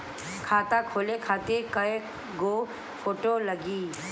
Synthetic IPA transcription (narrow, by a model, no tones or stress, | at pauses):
kʰaːt̪akʰoːlekʰaːt̪ekəe | ɡoː | fʰoːʈoːləɡiː